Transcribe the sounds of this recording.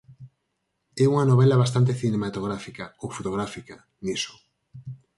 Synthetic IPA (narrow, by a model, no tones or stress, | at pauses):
ɛuŋɐnoβ̞ɛlɐβast̪ant̪eθinemat̪oɣ̞ɾafikaowfot̪oɣ̞ɾafika | nisʊ̥